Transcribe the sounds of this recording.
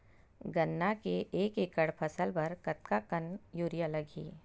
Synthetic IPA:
ɡɐnːakeʔeːkekəɽpʰɐsəlpɐɾkɐt̪̚kakɐnjuːɾijalɐɡiː

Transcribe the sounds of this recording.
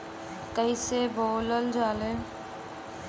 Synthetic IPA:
kəiseboːləld͡ʒaːleː

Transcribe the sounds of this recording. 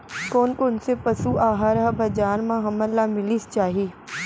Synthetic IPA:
koːnkonsepɐsuʔaːɦaɾɐɦbʱɐd͡ʒaːnmãɦɐməlaːmɪlist͡ʃaːɦiiː

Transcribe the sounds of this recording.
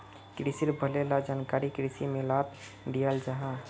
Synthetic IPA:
kɾisiɾbʱəlelad͡ʒaːnkaɾikɾisimẽlat̪ | ɖijald͡ʒaɦa

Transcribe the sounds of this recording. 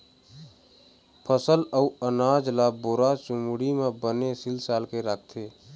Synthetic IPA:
pʰəsələuənad͡ʒlaboɾat͡ʃʊmuɽimẽbənesɪlsaːlkeɾakʰt̪ʰeː

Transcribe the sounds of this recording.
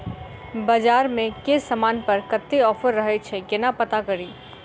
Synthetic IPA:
bəd͡ʒaːɾmẽkesəmanpəɾkət̪ːeɔːpʰəɾːəɦɛt͡ʃʰɛkɪnapət̪akəɾiː

